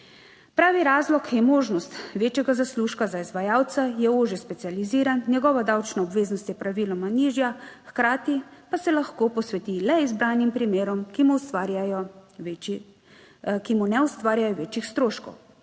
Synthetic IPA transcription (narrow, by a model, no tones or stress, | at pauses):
pɾaːʋiɾaːzlɔkʰjɛmoːʒnɔst̪ʋeːt͡ʃjɛɡazasluʃkazaizʋajaːwt̪sajɛoʒɛspɛt̪sializiːɾannjɛɡɔːʋad̪awt͡ʃnaɔbʋeːznɔst̪jɛpɾaʋilɔmaniːʒjaxkɾaːt̪ipasɛlaxkoːpɔsʋɛt̪ilɛizbɾaːnimpɾimeːɾɔmkimuaɾjajɔ | kimunɛust̪ʋaːɾjajɔʋeːt͡ʃixst̪ɾoːʃkɔ̰w